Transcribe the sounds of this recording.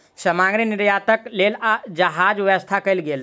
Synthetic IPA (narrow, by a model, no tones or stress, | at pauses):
sɐmãːŋɡɾinɪɾjaːt̪əkleːlad͡ʒɐɦaːd͡ʒʋəʋəst̪ʰakɐilɡeːl